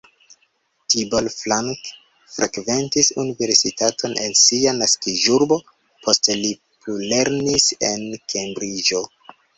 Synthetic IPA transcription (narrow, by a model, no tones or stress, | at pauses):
tibolflaŋk | fɾʔakve̞ntisṵnive̞ɾsitato̞nʔe̞̰nsianaskiʒuɾbo̞ | pʰo̞steli | plule̞ɾnise̞̰nkʰe̞mbɾid͡ʒo̞